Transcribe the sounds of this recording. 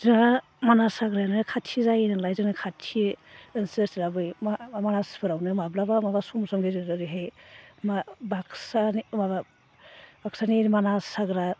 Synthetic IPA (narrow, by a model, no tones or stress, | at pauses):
zina | manasaɡɾanɯkʰatʰizajnɯlajzinakʰatʰiɯnsesilabɯjmamanaspʰɯɾawnɯmablabamabasumsɔmɡeziɾɯɾiɦejmabaksanimaba | baksaneɾimanasaɡɾa